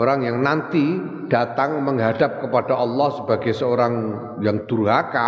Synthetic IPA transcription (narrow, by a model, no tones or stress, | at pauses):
oɾaŋjaŋnant̪i | d̥a̤t̪aŋməŋɦad̥ap̚kəpad̥aʔɑlːɑhsəbaɡajsəoɾaŋ | jaŋd̪̥uɾuɦaka